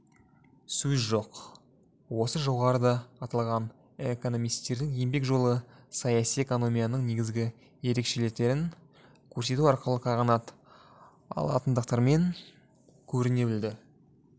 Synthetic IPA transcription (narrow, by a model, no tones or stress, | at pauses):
sɵzʒo̞q | wo̞səʒo̞ʁɑɾəd̪ɑɑt̪ɑlˠʁɑn | eko̞no̞mijst̪e̞ɾd̪ɪŋje̞mbe̞kʒo̞lˠəsɑjɑsije̞ko̞no̞mijanəɴne̞ɡʲɪzɡʲɪ | je̞ɾe̞kʃe̞lek̚t̪e̞ɾɪŋ | kʲʰɵɾse̞t̪uɑɾqəlˠəqʰɑʁɑnɑt̪ | ɑ̰lˠɑ̰t̪ənd̪əq̚t̪ɑɾme̞ŋ | kʲʰɵɾɪne̞bɪld̪ɪ